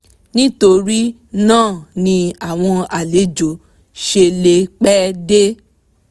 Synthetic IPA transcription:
nĩ˦to˧ɾi˦ | nãː˦˨nĩ˧a˦˨w̃ɔ̃˧a˨le˨˦d͡ʒo˨ | ʃe˧le˧k͡pɛ˦de˦

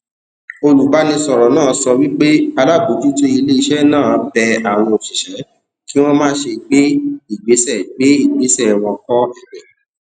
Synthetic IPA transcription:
o˧lu˨ba˨˦nĩ˧sɔ˨ɾɔ˨˦nãː˦˨sɔ˧wi˦k͡pe˦a˧la˦˨bu˨˦d͡ʒu˦to˦i˧le˦i˧ʃɛ˦nãː˦˨bɛ˧a˨w̃ɔ̃˧o˨ʃi˨ʃɛ˨˦ | ki˦w̃ɔ̃˦mãː˦ʃe˧ɡ͡be˦i˦˨ɡ͡be˨˦sɛ˦˨ɡ͡be˨˦i˦˨ɡ͡be˨˦sɛ˦˨w̃ɔ̃˧kɔ˦ɛ˦˨nɛ˨

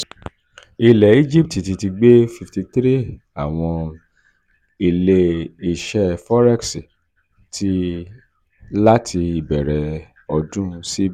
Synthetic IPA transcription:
i˧lɛ˨i˦d͡ʒi˦p̚ti˨ti˧ti˧ɡ͡be˦fi˧fti˧tɾi˦ | a˨w̃ɔ̃˧ | i˨le˧i˨ʃɛ˦fɔ˦ɾɛ˦ksi˨ | tʰi˧˦ | la˦tʰi˧i˨bɛ˨ɾɛ˨ | ɔ˧dũ˦˧si˦b

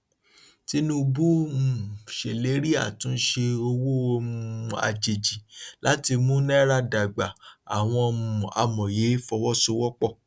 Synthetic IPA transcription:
ti˦nũ˦bu˦mũ˨ʃe˨le˨˦ɾi˦a̰˦˨tũ˨˦n̩˦ʃe˧o˧wo˦˧˦a̰˧˨d͡ʒe˨d͡ʒi˨la˨˦ti˧mũ˦nɛ˦ɾa˧da˨ɡ͡ba˨a̰˨w̃ɔ̃˧ɔ˧mũ˨a̰˧mɔ̃˨je˨˦fɔ˧wɔ˦so˧wɔ˦k͡pɔ˦˨

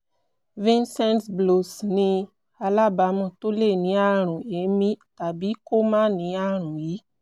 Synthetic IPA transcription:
vĩ˦nsɛ˦ntblo˨snĩ˧ | a˧la˦ba˨˦mũ˧˨to˦le˦˨nĩ˨˦a˦˨ɾ̃ũ˨e˨˦mĩ˦ta˨bi˨˦ko˦mã˦nĩ˨˦a˦ɾ̃ũ˨ji˨˦

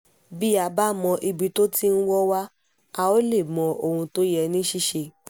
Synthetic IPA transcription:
bi˦a˧ba˦˨mɔ̃˧ʔi˧bi˧to˦ti˦n̩˦wɔ˦wa˦ | a˧o˦le˦˨mɔ̃˨ʔo˧˨hũ˧to˦jɛ˧nĩ˦ʃi˦ʃe˧˨

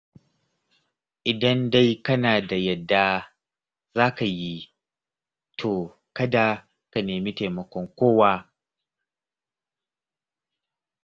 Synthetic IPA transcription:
ʔɪ˨dɐ˦nda˦jkɐ˦naː˨da˨jɐ˦˨dːa˦ | zaː˦ka˨ji˦ | tʰoː˨ | kɐ˦da˨ | ka˨neː˨miː˦ta˨mɐ˨kʷɔ˦ŋkʷoː˦waː˦

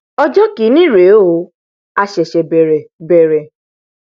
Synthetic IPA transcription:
ɔ˦d͡ʒɔ˦ki˨˦nĩ˦˨ɾe˨˦o˧˦ | a˧ʃɛ˨ʃɛ˨be˨ɾe˨be˨ɾe˨

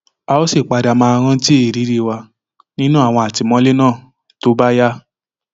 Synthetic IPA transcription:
a˧o˦si˦˨k͡pa˧da˨mãː˧a˧ɾ̃ã˧˦ti˦e˦˨ɾi˨˦ɾi˧wa˧ | nĩ˦nũ˦a˦˨w̃ɔ̃˧a˨ti˧˨mɔ̃˧˦le˦nãː˦˨ | to˦ba˦ja˦

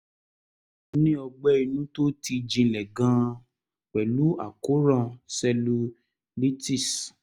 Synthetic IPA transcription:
nĩ˦ɔ˧ɡ͡bɛ˦i˧nũ˦to˦ti˧d͡ʒĩ˧lɛ˨ɡã˧ | k͡pɛ˨lu˨˦a̰˨ko˨˦ɾã˦˧˨sɛ˧lu˧ | li˦ti˦˨s

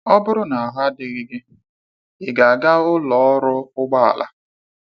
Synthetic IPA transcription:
ɔ˦bʊ˦ɾʊ˦na˨a˨ɦa˦dɪ˨ɣɪ˦ɡɪ˦ | ɪ˨ɡa˨a˨ɡa˦ʊ˦lɔ˨˦ɔ˦ɾʊ˦ʊ˦ɡ͡ba˦a̰˨la̰˦

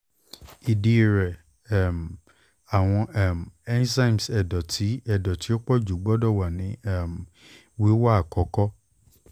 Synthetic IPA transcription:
i˨di˧˨ɾɛ˨˦˨ | m˨ | a˨w̃ɔ̃˧ɛ˦˨m˨ɛ˦n˦sã˦i˨m˨sɛ˨dɔ˨tʰi˨˦ɛ˦˨dɔ˨ti˨˦o˦k͡pɔ˦d͡ʒu˨˦ɡ͡bɔ˦dɔ˦˨wa˨nĩ˨˦ɛ˦˨m˨ | wi˦wa˦a˦˨kɔ˨kɔ˦

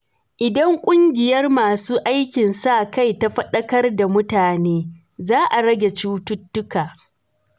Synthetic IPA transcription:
ʔɪ˨dɐ˦ŋkʷʼʊ˦ŋɡʲɪ˨jɐ˦rmaː˨suː˦ʔa˦jkʲɪ˨nsaː˦˨ka˦jta˦ɸɐ˦ɗɐ˦kɐ˦rda˨mʊ˦taː˨neː˦ | zaː˦ʔa˨ɽɐ˦ɡʲe˨t͡ʃuː˦tʊ˦tːʊ˦kaː˨

